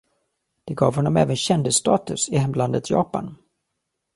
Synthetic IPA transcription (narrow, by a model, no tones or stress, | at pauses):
d̪̥ɛɡɑːvhɔnːɔmɛ̰ːvənɕɛnd̪əst̪ɑːt̪ɵsɪhɛmland̪ət̪ʰjɑ̰ːpa̰n